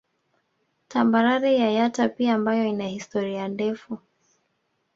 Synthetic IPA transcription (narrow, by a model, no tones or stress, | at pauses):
tʰambaɾaɾɛjajatapiaːmbajɔinahistɔɾiandɛfu